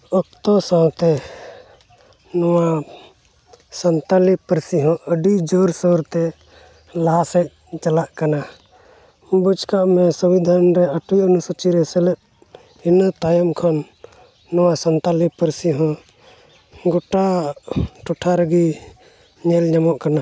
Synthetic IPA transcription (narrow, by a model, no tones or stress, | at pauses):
ɔk̚t̪ɔsawt̪ɛ | nɔwa | sant̪alipəɾsiɦɔ̃ʔəɖid͡ʒɔɾsɔɾt̪ɛ | lasɛc̚ | t͡ʃalaʔkana | but͡ʃkaʔmɛsubid̪ʱanɾɛəʈwiənusɔt͡ʃiɾɛsɛlɛʔ̚ | inət̪ajɔmkʰɔnː | ɔwasant̪alipəɾsiɦɔ̃ | ɡɔʈa | ʈuʈʰaɾəɡi | ɲɛlɲamɔʔkana